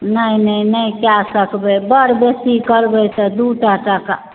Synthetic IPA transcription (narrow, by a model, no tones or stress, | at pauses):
nəĩnəinəikjasəkbɛbəɽbesikəɾbət̪ɔd̪uʈaʈəka̰